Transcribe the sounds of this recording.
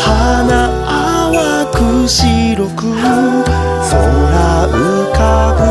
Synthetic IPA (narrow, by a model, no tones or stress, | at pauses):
hana | a | wakɯɕiɾokɯ | soɾaɯkako